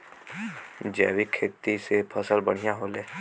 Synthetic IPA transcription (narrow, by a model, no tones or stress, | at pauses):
d͡ʒɛːwikʰːeːt̪isepʰəsəlbəɽ̤ijãɦoːleː